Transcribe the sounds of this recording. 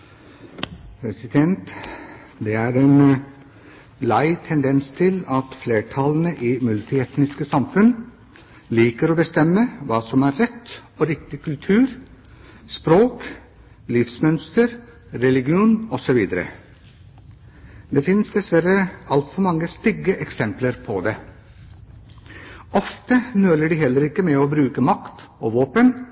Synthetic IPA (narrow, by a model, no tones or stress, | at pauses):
pʰɾɛsɪd̪ɛnt̪ | d̪ɛæːɾeːn | læɪt̪ʰɛnd̪ɛnst̪ʰɪlɑt̪fleːʈʰɑln̩əʔiːmʉlt̪ɪɛt̪nɪskəsɑmfʉn | liːkəɾoːbəst̪ɛmːəʋɑːsɔmæːɾɾɛt̪ːoːɾɪkt̪ɪkʉlt̪ʰʉːɾ | spɾoːk | lɪfsmœnst̪əɾ | ɾɛlɪɡɪuːnɔsɔʋiːd̪əɾə̰ | d̪eːfɪnsd̪ɛsʋæɾəɑlt̪fɔɾmɑŋːəst̪ɪɡːəʔɛksɛmpləɾpʰɔd̪ɛ | ɔft̪ənøːləɖiːhɛlːəɾɪkːəmɛoːbɾʉːkəmɑkt̪oːʋoːpən